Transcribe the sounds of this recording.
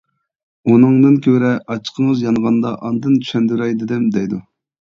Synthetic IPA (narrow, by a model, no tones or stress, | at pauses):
unɨŋd̪ɨnkʲʰøɾɛʔɑt͡ʃʰə̥qʰəŋəzjɑnʁɑnd̪ɑʔɑnd̪ɨnt̪ʰy̥ʃɛnd̪yɾɛjd̪ɪd̪ɪmd̪ɛjd̪u